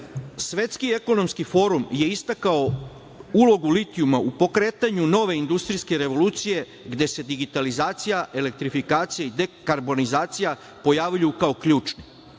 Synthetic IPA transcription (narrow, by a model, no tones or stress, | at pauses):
sʋe̞t̪skie̞ko̞no̞mskifo̞ːɾumje̞ist̪akao | ulo̞ɡulit̪ijumaupo̞kɾe̞ːt̪aɲuno̞ʋe̞ind̪ust̪ɾiske̞ɾe̞ʋo̞luːt̪sije̞ | ɡd̪e̞se̞d̪iɡit̪alizaːt̪sijaʔe̞le̞k̚t̪ɾifikaːt̪sijaid̪ekaɾbo̞nizaːt̪sija | po̞jaːʋʎujukao̞kʎuːt͡ʃni